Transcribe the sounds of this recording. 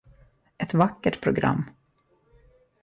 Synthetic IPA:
ʔɛt̪vakːəʈpʰɾʊɡɾa̰mː

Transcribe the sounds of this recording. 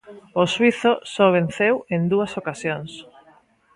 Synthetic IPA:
oswiθosɔβ̞en̟θewend̪uasokasjoŋs

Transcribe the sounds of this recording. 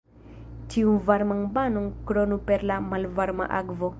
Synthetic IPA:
tiunvaɾmaŋbanonkɾonupeɾlamalvaɾma̰ʔa̰kvo

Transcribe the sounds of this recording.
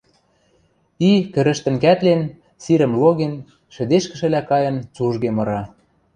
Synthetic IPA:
ikɘ̆ɾə̆ʃt̪ə̆nkæt̪len | siɾə̆mloɣen | ʃɘ̆d̪eʃkə̆ʃɘ̆lækɑjɤ̆nt͡suʒɣemɤ̆ɾɑ

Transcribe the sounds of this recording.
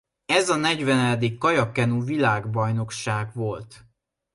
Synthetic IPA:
ɛzɒnɛɟvɛnɛd̪ikːɒjɒkɛnuvilaːɡbɒjno̞kʃaːɡʋvo̞lt̪

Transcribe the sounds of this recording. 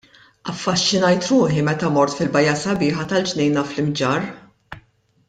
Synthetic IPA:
ɐfːɐʃːɪnɐjt̪ɾuːħimɛt̪ɐmɔɾt̪fɪlbɐjːɐsɐbɪːħɐt̪ɐld͡ʒnɛjnɐflɪmd͡ʒɐɾ

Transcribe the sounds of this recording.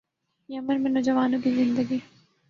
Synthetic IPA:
jɐməɾmẽnoːzɐʋaːnõkizɪ̃nd̪əɡi

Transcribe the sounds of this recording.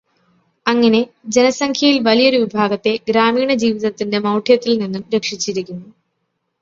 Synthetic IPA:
ɐŋːɐne̞d͡ʑe̞nɐsɐŋkʰjɐjilʋɐlijo̞ɾuʋibʱaːɡɐt̪ːe̞ɡɾaːmiːɳɐd͡ʑiːʋiðɐt̪ːinde̞mɐwʈʰjɐt̪ːilninːumɾe̞kʂit͡ɕːiɾikʲːunːu

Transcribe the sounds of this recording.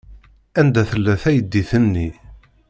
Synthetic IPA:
ænd̪æθəlːæθæjəd̪ːiθənːi

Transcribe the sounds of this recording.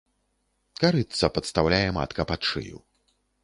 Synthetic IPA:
kaɾɨt̪sːɐpɐt̪st̪awlʲajɛma̰t̪kɐpat͡ʂɨ̰jṵ

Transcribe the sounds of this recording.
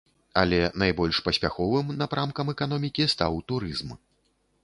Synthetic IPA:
ɐlʲɛnajbɔlʲʂpɐsʲpʲa̰xɔvɨmnapɾʔamkɐmɛkan̪ɔmʲikʲist̪a̰wt̪uɾɨzm

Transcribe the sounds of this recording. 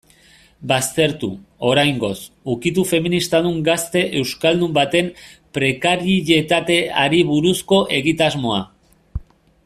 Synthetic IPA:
bast̪e̞ɾt̪ṵo̞ɾajŋɡo̞s | ukit̪ufe̞minist̪aðuŋɡast̪e̞ʔe̞wskald̪umbat̪e̞mpɾe̞kaɾiʎe̞t̪at̪e̞aɾiβuɾusko̞ʔe̞ɣit̪azmo̞a

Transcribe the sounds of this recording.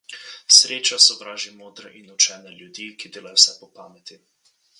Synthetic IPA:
sɾeːt͡ʃasɔbɾaːʒimoːd̪ɾɛʔinut͡ʃɛːnɛljud̪ikid̪eːlajɔwsɛpɔpaːmɛt̪i

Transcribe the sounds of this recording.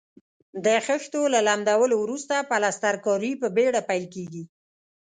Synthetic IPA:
d̪əxəxt̪olalamd̪awəlowɾust̪apalast̪aɾkɔɾipəbeɽapajlkeɡi

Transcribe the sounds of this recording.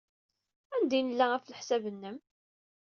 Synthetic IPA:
ænd̪inəlːææfləħsæbənːəm

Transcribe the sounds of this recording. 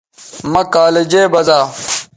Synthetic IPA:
mɐkaːled͡ʑeːbɐzaː

